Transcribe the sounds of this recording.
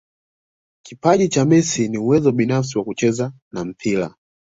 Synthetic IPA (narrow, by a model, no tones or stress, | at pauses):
kipaʄit͡ʃamɛsiniuwɛzɔɓinafs̬iwakut͡ʃɛza | nam̩pʰila̰